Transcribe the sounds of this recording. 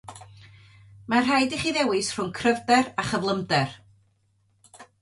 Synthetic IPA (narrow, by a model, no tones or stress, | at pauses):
mar̥ɦajdiχiːðɛwɨsr̥ʊŋkʰrəvdɛraχəvlˠəmdɛr